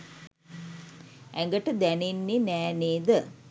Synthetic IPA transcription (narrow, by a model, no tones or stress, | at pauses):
ɛŋɡəʈəd̪ɛninːinæːneːd̪ə